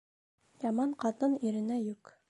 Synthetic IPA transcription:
jɑmɑɴqɑt̪ɤniɾɘ̆næjʉk

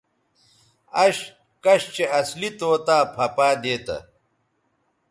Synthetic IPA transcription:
ɐɕ | kɐɕt͡ɕeɐslit̪oːt̪aːpʰɐpaːd̪eːt̪ɐ̰

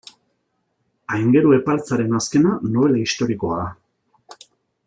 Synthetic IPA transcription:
ajŋɡe̞ɾue̞palt͡saɾe̞naske̞nanoβe̞laist̪o̞ɾiko̞aða

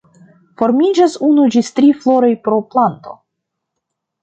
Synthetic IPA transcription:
fo̞ɾmid͡ʒasunud͡ʒist̪ɾiflo̞ɾojpɾo̞plant̪o̞̰

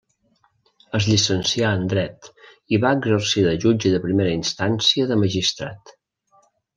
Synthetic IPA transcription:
əzʎisənsiaənd̪ɾɛt̪ | iβaəɡzərsiðəʒud͡ʒəðəpɾimeɾəinst̪ansiəðəməʒist̪ɾa̰t̪

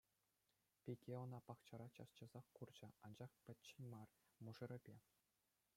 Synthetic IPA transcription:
pʲiɡʲeŏnɑpɑχt͡ɕɑ̆ɾɑt͡ɕɑst͡ɕɑ̆zɑχkurd͡ʑɘ̆ɑnd͡ʑɑχpʲɘ̆tʲt͡ɕːɘ̆nʲmɑr | muʐɤ̆ɾʲɘ̆bʲe

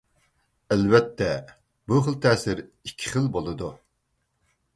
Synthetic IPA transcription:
ælvɛt̪ʰːɛ | buχəlˠt̪ʰɛːsɪɾikʲʰːi̥χəlˠbolˠɨd̪u

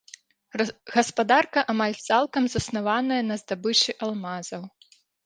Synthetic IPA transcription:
ɣɐspad̪arkɐʔɐmalʲt̪salˠkɐmzɐsnavanɐjɐnɐzd̪abɨt͡ʂɨʔalˠmazɐw

